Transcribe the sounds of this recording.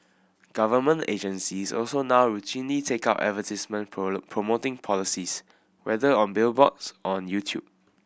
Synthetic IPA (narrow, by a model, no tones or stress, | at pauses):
ɡ̥avəmə̃ntḛd͡ʒə̃nsisɔ̰lsonawɹutʰĩnlitʰekaʊtɛ̰vətismə̃npʰɹomotɪ̃ŋpʰɔlisis | wɛdəɔ̃nbɪlbɔtsɔɔɔ̃njutʰjṵb̥̚